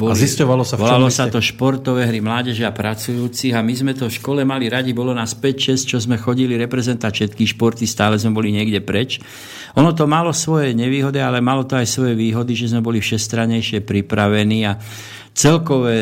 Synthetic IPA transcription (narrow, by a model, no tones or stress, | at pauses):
bɔlziscɔʋalɔsaʋɔlalɔsat̪ɔʃpɔɾt̪ɔʋɛɦɾimlaːɟɛʒɛapɾat͡sujuːt͡siɣamizmɛt̪ɔfʃkɔlɛmaliɾaɟibɔlɔnaːspɛcʃɛst͡ʃɔzmɛxɔɟiliɾɛpɾɛzɛnt̪aʃɛt̪kiʃpɔɾt̪ist̪aːlɛzmɛbɔliɲɪɛɡɟɛpɾɛt͡ʃ | ʔɔnɔt̪̬ɔmalɔsʋɔjɛɲɛʋiːɦɔd̪ialɛmalɔt̪ɔajsʋɔjɛʋiːɦɔd̪iʒɛzmɛbɔlifʃɛst̪ɾaɲɛjʃɪɛpɾipɾaʋɛniːa | t͡sɛlkɔʋɛ